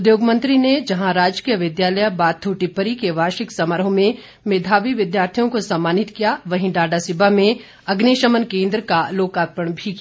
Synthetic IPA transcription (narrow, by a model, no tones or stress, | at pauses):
ʊd̪joːɡmə̃nt̪ɾined͡ʒɐɦãɾaːd͡ʒkijəʋɪd̪jaːləjabaːt̪ʰːuːʈipəɾikeʋaːɾʃɪksɐməɾɦõmẽ | meːd̪ʱaːʋiʋɪd̪jaːɾt̪ʰijõkosɐmːaːnɪt̪kijaʋɐɦĩɖaːɖasɪbʱamẽ | ɐɡneːʃəmənkẽːnd̪ɾəkaloːkaːt̪̚pəɳ̃bʱiki